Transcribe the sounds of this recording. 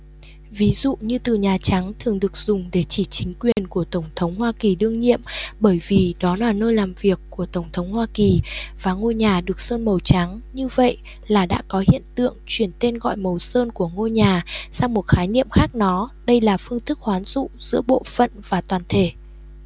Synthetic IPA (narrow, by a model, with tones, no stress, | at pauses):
vi˨˦zṵ˧˨ɲɨ˧t̪ɨ˨˩ɲaː˨˩t͡ɕa˨˦ŋt̪ʰɨ˨˩əŋɗɨ˨˩ək̚z̥ʊ˨˩ŋ͡mɗe˧˩t͡ɕi˧˩t͡ɕï˨˦ŋ̟kwi˨˩ənku˧˩ət̪ə˧˩wŋ͡mt̪ʰə˨˦wŋ͡mhwaː˧ki˨˩ɗɨ˧əŋɲḭ˧˨əmɓəː˧˩jvi˨˩ɗɔ˨˦laː˨˩nəː˧jlaː˨˩mvi˨˩əkːu˧˩ət̪ə˧˩wŋ͡mt̪ʰə˨˦wŋ͡mhwaː˧ki˨˩vaː˨˩ŋo˧ɲaː˨˩ɗɨ˨˩ək̚səː˧nmə˨˩wt͡ɕa˨˦ŋɲɨ˧və̰˧˨j | laː˨˩ɗa̰ː˧˥kɔ˨˦hḭ˧˨ənt̪ɨ̰˧˨əŋt͡ɕwi˧˩ənt̪e˧nɣɔ̰˧˨jmə˨˩wsəː˧nku˧˩əŋo˧ɲaː˨˩sa˧wŋ͡mmo˨˩t̚xaː˨˦jnḭ˧˨əmxaː˦˥k̚nɔ˨˦ɗə˧jlaː˨˩fɨ˧əŋt̪ʰɨ˦˥k̚hwaː˨˦nzṵ˧˨z̥ɨ̰˧˥əɓo̰˧˨fə̰˧˨nvaː˨˩t̪waː˨˩nt̪ʰe˧˩